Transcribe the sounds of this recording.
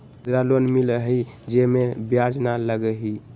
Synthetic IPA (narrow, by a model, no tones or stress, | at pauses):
d̪ɾalonmiləɦəid͡ʒemebjad͡ʒnaləɡəɦi